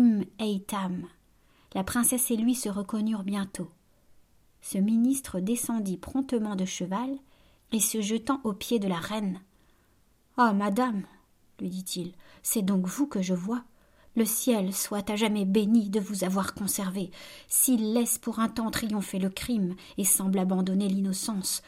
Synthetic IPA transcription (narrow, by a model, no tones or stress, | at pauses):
mɛjt̪am | lapχɛ̃sɛselɥisəʁəkɔnyʁbjɛ̃t̪ʰo | səminist̪χəd̪esɑ̃d̪ipχɔ̃t̪əmɑ̃d̪əʃəval | esəʒət̪ɑ̃ʔopjed̪əlaʁɛn | amad̪am | lɥid̪it̪ʰilsɛd̪ɔ̃kvukəʒəvwa | ləsjɛlswat̪aʒamɛbenid̪əvuzavwaʁkɔ̃sɛʁvesilːɛspuʁɛ̃t̪ɑ̃t̪χijɔ̃feləkχim | esɑ̃blabɑ̃d̪ɔnelinɔsɑ̃s